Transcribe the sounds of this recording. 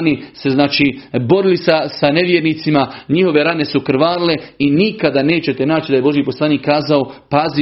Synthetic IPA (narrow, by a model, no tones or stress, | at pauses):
nise̞znaːt͡ʃiːbo̞ɾilisasane̞ʋjeɾniːt̪simaɲiho̞ʋe̞ɾane̞sukɾ̩ʋaːɾile̞inikad̪ane̞ːt͡ɕe̞t̪e̞naːt͡ʃid̪ajebo̞ʒjipo̞slaːniːkːaːzao̞pazi